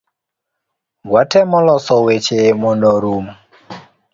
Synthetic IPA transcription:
ɡwatʰɛmɔlɔsɔwet͡ʃemɔndɔɾuːmu

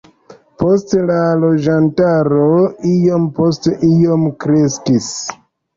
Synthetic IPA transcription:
po̞stlalo̞d͡ʒantaɾoijo̞mpo̞steʔijo̞mkɾe̞skis

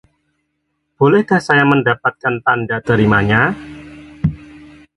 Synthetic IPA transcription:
b̥olɛhkahsajaməndapat̪̚kant̪andat̪əɾimaɲa

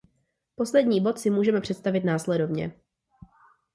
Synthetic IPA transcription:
po̞slɛdɲiːbo̞t̪sɪmuːʒɛmɛpr̥ɛt̪st̪avɪt̪naːslɛdo̞vɲɛ̰

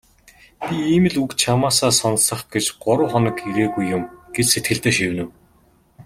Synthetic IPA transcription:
b̥ʲiiːmɘ̆ɮukt͡ɕʰamaːsaːsɔnsə̆χɡet͡ɕɢʊɾʊ̆ːχɔnɞ̆kiɾeːɣujːʊmɡ̥et͡ɕset̪̚ɡɘ̆ɬt̪eːʃiwnɘ̆w

